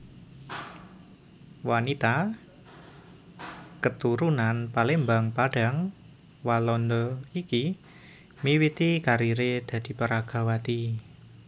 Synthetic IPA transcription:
wanit̪a | kət̪uɾunanpalembaŋpaɖ̥a̤ŋ | walɔnd̪ɔiki | miwit̪ikaɾiɾed̪̥ä̤d̪̥i̤pəɾaɡ̥a̤wat̪i

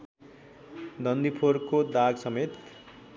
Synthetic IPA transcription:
d̪ʌnd̪ipʰorkod̪aɡsʌmet̪

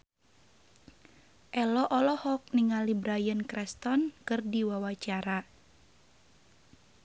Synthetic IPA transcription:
ʔɛlɔʔɔlɔhɔk̚niŋalibɾajənkɾɛst̪ɔnkɨrdiwawat͡ʃaɾa

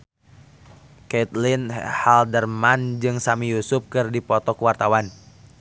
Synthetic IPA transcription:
kɛt̪linhaldərmand͡ʒɨŋsamijusʊp̚kɨrdipɔt̪ɔkəwart̪awan

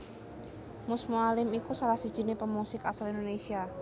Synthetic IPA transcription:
mʊsmualɪmikusalahsid̥ʒ̥i̤nepəmusɪkasalind̪onesia

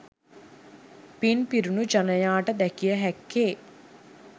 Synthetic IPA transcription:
pinpiɾunud͡ʒanəjaːʈəd̪ækijəɦækːeː

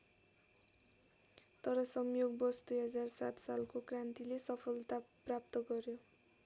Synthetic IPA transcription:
t̪ʌɾʌsʌmjoɡbʌsd̪ujɦʌd͡zarsat̪salkokrant̪ilesʌpʰʌlt̪aprap̚t̪ʌɡʌɾjo

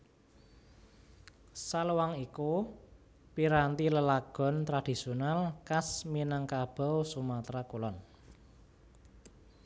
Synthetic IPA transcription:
saluwaŋiku | piɾant̪iləlaɡ̥ɔ̤nt̪ɾad̥i̤sionalkasminaŋkab̥ɔ̤wsumat̪ɾakulɔn

